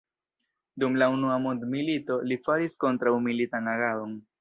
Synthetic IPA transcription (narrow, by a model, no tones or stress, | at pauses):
dumlaunuamondmilito̞lifaɾisko̞ntɾawmilitanaɡao̞n